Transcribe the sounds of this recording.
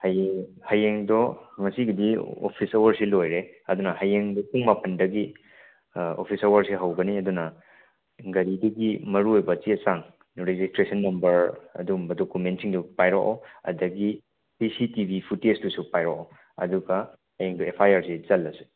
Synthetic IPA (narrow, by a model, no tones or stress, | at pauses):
hɐjhɐjeŋdɔmɐsiɡidio̰pʰisɐwɐɾsilojɾeɐdunɐhɐjeŋdɔpuŋmapɐndɐɡi | o̰pʰisɐwɐɾsiɦɐwɡɐniɐdunɐ | ɡɐɾidɐɡimɐɾuojbɐt͡ʃisaŋ | ɾed͡ʒistɾesɐnːɐmbɐɾɐ̰dumbɐdokumentsiŋdupajɾɔkoɐ̰dɐɡi | pisitibʱipʰutesdusupajɾɔko | ɐ̰duɡɐ | hɐjeŋdɔepʰajaɾsizɐlːɐsi̥